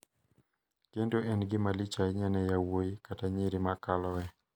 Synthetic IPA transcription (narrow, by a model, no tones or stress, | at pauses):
kendoʔɛnɡɪmalit͡ʃaɲanɛjawoikataɲiɾimakalɔwɛ